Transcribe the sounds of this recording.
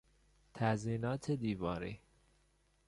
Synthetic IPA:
t̪ʰæziːnɒːt̪ʰed̪iːvɒːɾḭː

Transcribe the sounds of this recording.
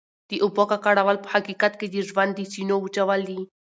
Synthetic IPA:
t̪iʔupɔkakaɽaʋalphakikat̪ked̪iʐband̪isinout͡ʃaʋali

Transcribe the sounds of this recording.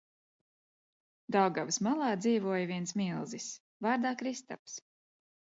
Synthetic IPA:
d̪awɡavsmalˠɑːd̪ziːvuɔjviɛnsmilˠzis | vaːɾd̪aːkɾist̪a̰ps

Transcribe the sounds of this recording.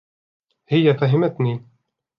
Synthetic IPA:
hɪjːæfæɦɪmæt̪ni

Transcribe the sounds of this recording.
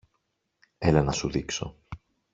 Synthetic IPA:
e̞lɐnɐsuðikso̞̰

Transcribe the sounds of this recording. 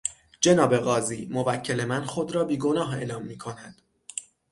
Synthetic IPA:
d͡ʒe̞nɒːbe̞ɣɒːziːmo̞væcʰːe̞le̞mænxo̞d̪ɾɒːbiːɡo̞nɒːɦe̞̰lɒːmːiːkʰo̞næd̪̥

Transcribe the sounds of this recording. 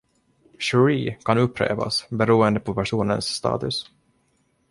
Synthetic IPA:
ɕɵɾiːkʰanɵpːɾḛːva̰sbɛɾuːənd̪əpʰɔpæʂuːnə̰nsːt̪ɑ̰ːt̪ɵs

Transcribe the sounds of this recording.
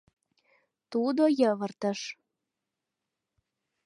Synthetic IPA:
t̪ud̪ojəβərt̪ə̆ʃ

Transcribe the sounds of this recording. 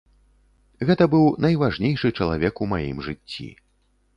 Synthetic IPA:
ɣɛt̪ɐbɨwnɐjvaʐnʲejʂɨt͡ʂɐlˠa̰vʲɛkumajḭmʐɨt͡sʲːḭ

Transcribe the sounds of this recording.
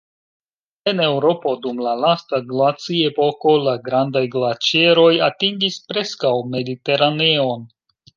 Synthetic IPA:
e̞ne̞wɾo̞po̞dumlalastaɡlat͡siepo̞ko̞laɡɾandajɡlat͡ʃe̞ɾo̞jatiŋɡispɾe̞skawme̞dite̞ɾane̞o̞n

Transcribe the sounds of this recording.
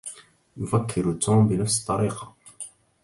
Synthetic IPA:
jʊfækʰːɪɾt̪ːumbɪnafsə̥t̪ˤːɑɾiːqɑ

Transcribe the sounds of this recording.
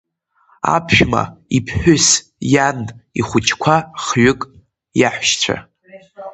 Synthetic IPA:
a̰pʰʒᶣma̰ipʰħᶣʊs | janiχʷʊt͡ʃʰkʷʰaχɥʊkʼ | jaħʷʃt͡ɕʷʰa̰

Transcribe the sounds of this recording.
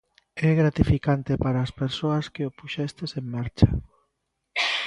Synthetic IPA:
ɛɣɾat̪ifikant̪epaɾaːspeɾsoɐskeopuʃɛst̪eseŋmaɾt͡ʃa

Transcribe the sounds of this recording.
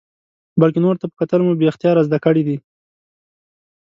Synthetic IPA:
balkenoɾt̪apə̥kat̪əlmobeaxt̪ijɑɾazd̪akəɽid̪i

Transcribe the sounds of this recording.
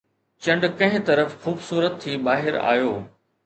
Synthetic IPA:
t͡ɕɐ̃ɳɖkɐ̃ɦɪ̃t̪ɐɾəfxuːbsuːɾət̪ʰːibaːɦɪɾa̰ːjoː

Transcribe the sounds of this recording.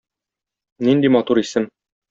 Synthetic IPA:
nind̪imɒt̪uɾisɘn

